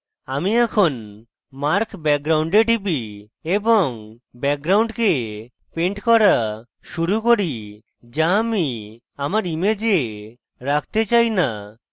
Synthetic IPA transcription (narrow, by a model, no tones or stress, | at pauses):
amiɛkʰon | maɾkbɛk̚ɡɾawɳɖeʈibi | ebɔŋbɛk̚ɡɾawɳɖke | pẽɳʈkɔɾa | ʃuɾukoɾi | d͡ʒami | amaɾimed͡ʒe | ɾak̚ʰt̪et͡ʃajna